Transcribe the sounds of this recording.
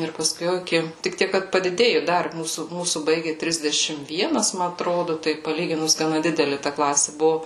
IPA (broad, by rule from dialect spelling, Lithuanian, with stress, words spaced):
ɪr pɐˈskʊɪ jɛʊ ɪˈkʲɪ tʲɪk ˈtʲiɛk kɐt pɐdʲɪˈdʲeːjʊ ˈdɐr ˈmuːsuː ˈmuːsuː ˈbɐɪɡʲɪ ˈtʲrʲɪzʲdʲɛʃʲɪm ˈʋʲiɛnɐs ˈmɐ ɐtˈroːdʊ ˈtɐɪ pɐˈlʲiːɡʲɪnʊs ɡɐˈnɐ ˈdʲɪdʲɛlʲɪ tɐ ˈklˠɑːsʲɪ ˈbʊʋʊ